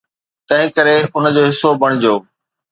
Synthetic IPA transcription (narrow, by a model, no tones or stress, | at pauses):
t̪ɐ̃ɦɪ̃kɐɾeʊnəd͡ʑoːɦɪsːobɐɽ̃ɪd͡ʑoː